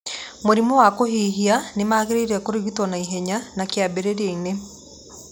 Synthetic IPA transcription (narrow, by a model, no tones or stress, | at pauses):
moɾimɔwakoɦiːɦianemaːɣeɾeiɾɛkoɾeɣitwɔnaiɦɛɲanakjabeɾeɾeine